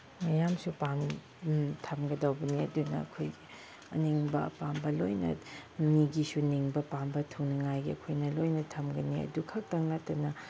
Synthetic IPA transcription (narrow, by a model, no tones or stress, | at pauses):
mɐjamsupam | tʰɐmɡɐdawbɐniɐ̰dunɐ̰ɐkʰoj | ɐniŋbɐ̰pambɐlojnɐ̰niɡisuniŋbɐpambɐtʰuŋniŋajɡiɐ̰kʰojnɐlojnɐtʰɐmɡɐniɐ̰dukʰɐk̚tɐŋnɐtɐnɐ